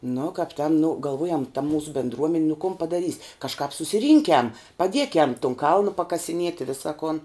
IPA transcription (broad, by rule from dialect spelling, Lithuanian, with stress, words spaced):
nʊ kɐp ˈtʲɛn nʊ ɡɐlˠˈʋuɔjɛm tɐ ˈmuːsʊ bʲɛndˈruɔmʲɛnʲ nʊ kʊn pɐdɐˈrʲiːsʲ kɐʃˈkɑːp sʊsʲɪˈrʲiːŋʲkʲɛm pɐˈdʲiɛkʲɛm tʊn ˈkɐlˠnʊ pɐkɐsʲɪˈnʲiɛtʲɪ ɪ ˈʋʲɪsɐ koːn